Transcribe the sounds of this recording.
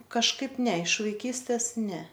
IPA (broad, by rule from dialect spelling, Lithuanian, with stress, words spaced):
kɐʃˈkɐɪp ˈnʲɛ ɪʃ ʋɐɪˈkʲiːsʲtʲeːs ˈnʲɛ